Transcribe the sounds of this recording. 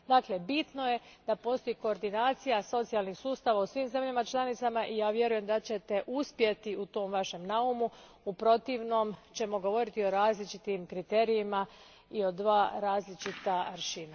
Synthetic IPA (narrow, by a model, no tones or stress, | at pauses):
d̪aːkle̞bit̪no̞je̞d̪̥apo̞ːst̪o̞jiko̞ːɾd̪inaːt̪sijaso̞t̪sijalˠnixsuːst̪aʋausʋiːmze̞mʎamat͡ʃlˠanit̪samaʔijaːʋje̞ɾuje̞md̪at͡ɕe̞t̪e̞ʔuspje̞t̪iut̪o̞ːmʋaʃe̞mnaumu | upɾo̞t̪iʋno̞mt͡ɕe̞mo̞ɡo̞ʋo̞ɾit̪io̞ɾaːzlit͡ʃit̪imkɾit̪e̞ɾijima | io̞d̪ʋaːɾaːzlit͡ʃit̪aɾʃina